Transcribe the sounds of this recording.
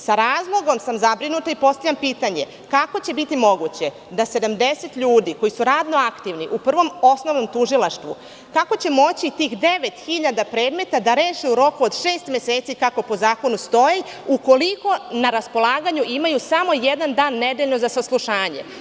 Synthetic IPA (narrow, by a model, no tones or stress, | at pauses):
saɾaːzlˠo̞ɡo̞msamzabɾinut̪aipo̞st̪avʎʲampiːt̪aɲe̞ | kako̞t͡ɕe̞bit̪imo̞ɡut͡ɕe̞ | d̪ase̞d̪amd̪e̞se̞t̪ʎuːd̪iko̞jisuɾaːd̪no̞akt̪iʋniʔupr̩ʋo̞mo̞sno̞ʋno̞mt̪uʒilˠaʃt̪ʋṵ | kako̞t͡ɕe̞mo̞t͡ɕit̪iːxd̪e̞ʋe̞t̪xiʎad̪apɾe̞ːd̪me̞t̪ad̪aɾe̞ːʃiuɾo̞kuod̪ʃeːst̪mje̞seːt̪sikako̞po̞zaːko̞nust̪o̞jiuko̞liko̞naɾaspo̞lˠaːɡaɲuʔimajusamo̞jed̪and̪aːnːed̪e̞ʎno̞zasaslˠuʃaːɲḛ